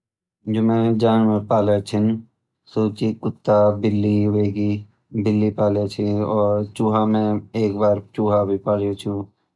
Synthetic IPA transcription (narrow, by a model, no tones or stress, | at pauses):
d͡ʒoːmɛ̃ːd͡ʒaːnmẽpaːlet͡ʃʰɪn | suːt͡ʃikʊt̪ːabɪlːiʋeːɡi | bɪlːipaːlet͡ʃʰiɔːɾt͡ʃuːɦamẽeːkbaːɾt͡ʃuːɦabʱipaːɽet͡ʃʰũ